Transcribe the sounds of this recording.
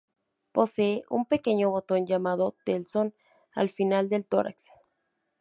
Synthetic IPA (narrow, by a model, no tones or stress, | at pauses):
po̞seeʔṵmpe̞ke̞ɲo̞βo̞t̪o̞nd͡ʒamað̞ot̪elson | a̰lfinald̪e̞lt̪o̰ɾa̰ks